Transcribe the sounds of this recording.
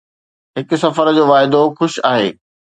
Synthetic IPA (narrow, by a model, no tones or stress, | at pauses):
ɦɪkʊ̆sɐfəɾd͡ʑoːʋaːɪd̪oxʊʃaːɦeː